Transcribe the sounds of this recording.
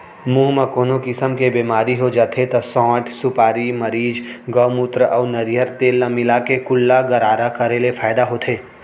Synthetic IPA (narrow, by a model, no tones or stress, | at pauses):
muːɦmɐkoːnokɪsəmkebeːmaːɾiɦod͡ʒaːt̪ʰet̪ɐsɔ̃ːʈsʊpaːɾimɐɾiːd͡ʒɡɔwmuːt̪ɾəʔɔːnɐɾijəɾt̪eːlːɐmilakekʊlːaɡɐɾaːɾakɐɾelefaːjd̪aɦot̪ʰeː